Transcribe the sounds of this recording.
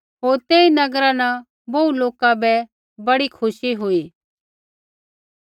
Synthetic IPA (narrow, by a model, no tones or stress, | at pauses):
ɦoːɾt̪eːinɐɡɾanã | bouloːkabɛ | bɐɽikʰʊʃiɦʊiː